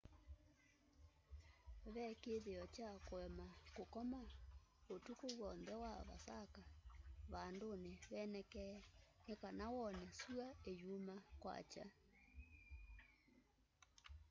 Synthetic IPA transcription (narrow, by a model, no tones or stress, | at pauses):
βɛkeðeɔt͡ʃakwɛmakokɔmaotukoɣwɔnðɛwaβa̰sakaβandoneβɛnɛkɛnekanawɔnɛsuaejumakwa̰t͡ʃa̰